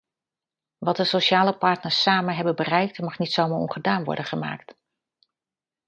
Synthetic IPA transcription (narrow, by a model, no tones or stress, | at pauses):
ʋɑt̚dəsoʃaːləpɑɹtnəɹsːaːmənɦɛbənbərɛjk̚tmɑχnitsowmaːɹɔ̰nχədaːnʋɔ̰ɹdənχəma̰ːkt